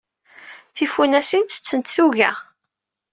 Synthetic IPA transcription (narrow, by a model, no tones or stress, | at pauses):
θifunæsint̪ːə̥t͡sːənt̪θuʝæ̰